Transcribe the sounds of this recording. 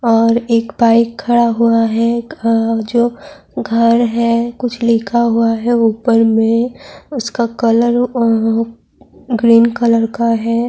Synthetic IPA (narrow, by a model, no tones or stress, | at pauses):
ɔːɾeːkbaːɪkʰːɐɽaɦuaɦɛ | d͡ʒoː | ɡʱɐɾɦɛkʊt͡ʃʰlɪːkʰaɦuaɦɛuːpəɾmẽʊskakɐləɾ | ɡɾiːnkələɾkaɦɛː